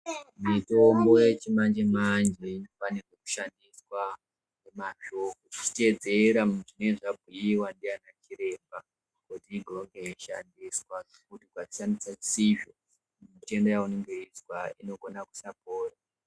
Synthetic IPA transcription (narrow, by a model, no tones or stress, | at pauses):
mito̞mbo̞jet͡ʃimand͡ʒemand͡ʒeinofanireku̥ʃandiswa | nemaʃo̞kot͡ʃi̥te̞d͡ze̞ɾamʐine̞ʐab̚ʱijiwandianat͡ʃiɾe̞mba | kutiːɡʱowaŋɡeiʃa̰ndiswa | kutikwat͡ʃi̥ʃandisat͡siʒo | mite̞ndojauneŋɡe̞iswaḭno̞ɡonaku̥sako̞ːra